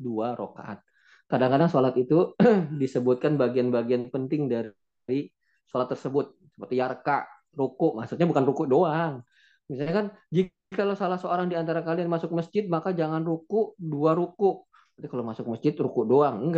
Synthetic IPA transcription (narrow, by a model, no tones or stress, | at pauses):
duaɾo̰ka̰ʔa̰t̪̚ | kadaŋkadaŋsolat̪it̪udisəbʊt̪̚kanbaɡianbaɡianpənt̪ɪŋdaɾ | ɾi | solat̪ːərsəbʊt̪̚ | sə̥pərt̪ijarkaʔ | ɾukʊʔmaksut̪ɲabukanrukʊʔdoaŋ | misalɲakand͡ʒi | kalosalahsəoɾaŋdiant̪aɾakalijanmasʊk̚məsd͡ʒɪt̪̚makad͡ʒaŋanrukʊʔduaɾukʊʔ | t̪apikalomasʊk̚məsd͡ʒɪt̪̚rukʊʔdoaŋəɡ